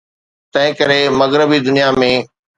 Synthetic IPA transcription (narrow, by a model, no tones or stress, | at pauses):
t̪ɐ̃ɦɪ̃kɐɾemɐɣɾɪbid̪ʊnijamẽː